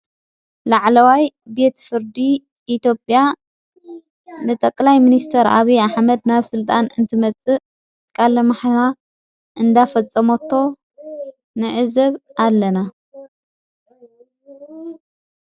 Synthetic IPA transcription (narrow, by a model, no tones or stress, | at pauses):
laʕlɐwaj | be̞t̪fɨɾd̪i | it̪ʰjo̞pʼja | nɨt̪ʼɐkʼːlajminist̪ʰɐɾa̰βiaħmɐd̪̚naβsɨlt̪ʼanɨnt̪ʰɨmɐt͡sʼːɨ | kʼalɐmaħta | ʔɨnd̪afɐt͡sʼːɐmot̪ʰːo̞ | nɨʕɨzɐβalːɐna